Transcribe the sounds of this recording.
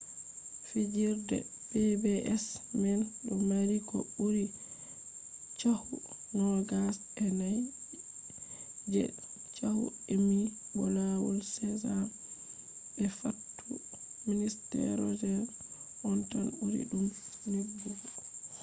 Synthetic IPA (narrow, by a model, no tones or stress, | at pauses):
fid͡ʒiɾdɛ̰bebɛʔɛsmɛnɗɔmaɾikɔuɾi | t͡ʃahu | ŋɔlɡas | ɛnaj | d͡ʒɛ̰ | t͡ʃahṵ | emibɔlawɔlsɛza | bɛfatːu | ministɛ̰ɾɔd͡ʒɛ | ʔɔntanuɾḭɗumnibːu